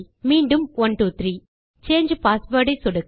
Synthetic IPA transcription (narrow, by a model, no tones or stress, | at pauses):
miːɳɖɯmʋɐnʈuːt̪ɾiː | t͡ʃeːnd͡ʒpaːsbɐːɽisʊɽɯk